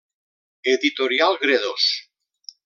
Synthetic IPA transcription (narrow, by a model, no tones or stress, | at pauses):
eðit̪oɾjalɣɾeðos